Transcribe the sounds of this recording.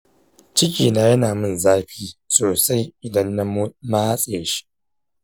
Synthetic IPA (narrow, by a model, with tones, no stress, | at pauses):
t͡ʃɪ˦kʲiː˨naː˦jɐ˦naː˨mɨ˦˨nzaː˦ɸiː˦soː˨sa˦jʔɪ˨dɐ˦nːa˦m˦ma˦a˦sʼe˦˨ja˨ʃi̥˦ʔ